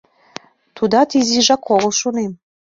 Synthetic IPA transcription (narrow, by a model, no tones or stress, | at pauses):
t̪ud̪ɑt̪iziʒɑkʰoɣəlˠʃonem